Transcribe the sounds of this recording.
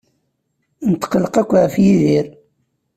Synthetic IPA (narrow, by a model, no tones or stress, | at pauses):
nət̪ːə̥qələqækʷːʁəfjiðiɾ